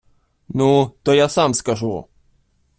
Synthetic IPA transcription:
nut̪ojasamskaʐu

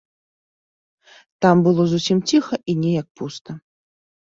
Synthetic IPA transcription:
t̪ambɨlˠɔzusʲimt͡sʲixɐʔinʲɛjɐk̚pust̪ɐ

